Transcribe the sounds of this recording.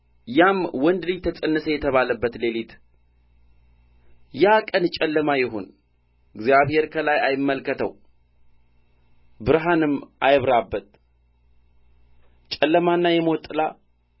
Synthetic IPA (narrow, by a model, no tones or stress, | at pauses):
jamwɔnd̪ɨlijt̪ʰət͡sʼənːɨsəjɛt̪ʰəβaləbːət̪le̞lit̪ | jakʼənt͡ʃʼɛlːəmajɛɦo̰n | ɨɡzjaβhe̞ɾkʰəlajajɪmːəlkːət̪ʰə̰w | bɨɾɦanɨmːajβɾabːət̪̚ | t͡ʃʼɛlːəmanːajɛmɔt̪ʼɨla